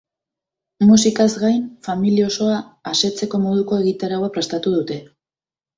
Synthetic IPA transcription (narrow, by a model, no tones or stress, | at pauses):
musikazɡajnfamilieo̞so̞aːse̞t͡se̞ko̞mo̞ðuko̞e̞ɣit̪aɾaowapɾe̞st̪at̪uð̞ut̪e̞